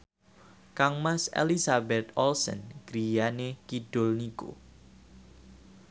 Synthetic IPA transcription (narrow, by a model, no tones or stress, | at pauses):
kaŋmasḛlisabɛt̪̚ɔlsə̰nɡ̥ɾijanekid̥ʊ̤lniko̰